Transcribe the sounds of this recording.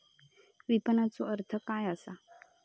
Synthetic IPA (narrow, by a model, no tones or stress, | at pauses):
ʋipənat͡soəɾt̪ʰəkajasa